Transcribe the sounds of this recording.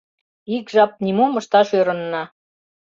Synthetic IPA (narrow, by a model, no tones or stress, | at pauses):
ikʒɑp̪̚nʲimomɤ̆ʃt̪ɑʃøɾɤ̆nːɑ